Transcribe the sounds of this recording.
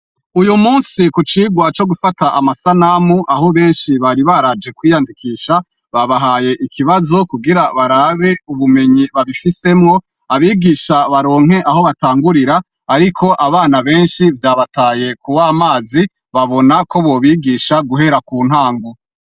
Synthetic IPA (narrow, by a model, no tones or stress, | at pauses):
ujumuːnsikut͡ʃiːɡwat͡ʃo̞ɡufataʔamasanamuʔaɦo̞βe̞ːnʃiβaɾiβaɾad͡ʒe̞kwiːjandikʰiːʃa | βaβaɦaːje̞ʔikʰiβazo̞kuɡiɾaβaɾaːβe̞uβume̞ɲiβaβifise̞mŋo̞ | aβiɡiːʃaβaɾo̞ːŋ̥he̞ʔaɦo̞βataːŋɡuɾiɾaː | ɾikʰo̞ʔaβaːnaβe̞ːnʃivjaːβataːje̞kuwaːmaːzi | βaβo̞nako̞βo̞βiɡiːʃaɡuɦe̞ɾakuːn̥haːŋɡo